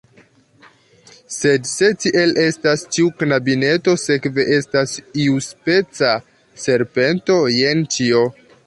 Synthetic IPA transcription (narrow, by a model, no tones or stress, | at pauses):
se̞dse̞t͡ʃiʔe̞lʔe̞stast͡ʃiuknabine̞to̞se̞kve̞ʔe̞stasiuspe̞t͡sa | se̞ɾpe̞nto̞je̞nt͡ʃio̞